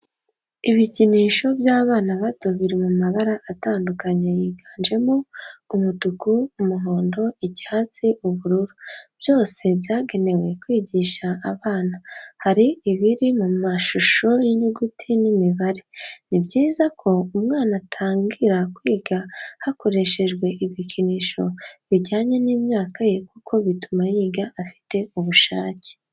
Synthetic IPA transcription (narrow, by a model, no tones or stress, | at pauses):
iβiciniːʃo̞bjaːβaːnaβatoβiɾimumaβaɾaʔataːndukaɲe̞jiɡaːnd͡ʒe̞mo̞umutukuumuɦoːndo̞iɟi̥haːt͡siʔuβuɾuɾub̥jo̞ːse̞bjaːɡe̞ne̞we̞kwiːɟiːʃaʔːβaːnahaɾiiβiɾimumaʃuʃo̞jiɲuɡutʰinimiβaɾe̞nibɟiːzakʰo̞umŋaːnatʰaːŋɡiɾakwiːɡahako̞ɾe̞ʃe̞ʒɡwe̞ʔiβicʰiniʃo̞βiɟaːɲe̞niːmɲaːkaje̞kukʰo̞βitumajiːɡaʔafi̥te̞uβuʃaːce̥